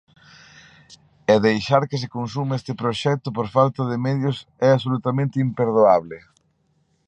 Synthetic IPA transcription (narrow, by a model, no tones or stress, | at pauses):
ɛðejʃaɾkɪs̬ɪkonsumest̪ɪpɾoʃɛk̚t̪ʊpoɾfalt̪ɐðɪmɛðjʊsɛasolut̪amẽnt̪ɪimpeɾðoaβlɪ